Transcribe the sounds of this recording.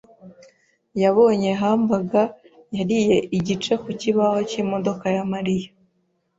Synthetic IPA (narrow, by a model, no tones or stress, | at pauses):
jaβo̞ːɲe̞ɦaːmbaɡa | jaɾije̞ʔiɟit͡ʃe̞kuciβaho̞cimo̞do̞kajamaɾija